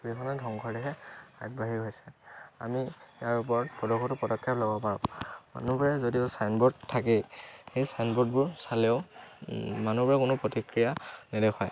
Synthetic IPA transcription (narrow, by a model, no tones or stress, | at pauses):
ɹikʰɔnadʱɔŋkʰɔɹdɛɦɛa̰ɡ̚baɦiɦojsɛa̰mijaɹupɔɹɔtpɔdɔkʰɔtʊpɔdɔkʰːɛplɔbɔpaɹɔ̰ma̰nubɔɹɛzodiʊsajnbɔɹdtʰːakɛxejsajnbɔdbʊɹsalɛʊ | manubɔɹɛkʊnʊpɹotikɹijanɛdɛkʰwaj